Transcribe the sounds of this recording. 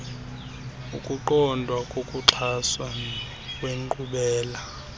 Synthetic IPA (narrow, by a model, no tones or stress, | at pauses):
ukʼuǃɔndʱwakʼokʼuǁʰaswa | kʼweŋǃʼuɓɛːla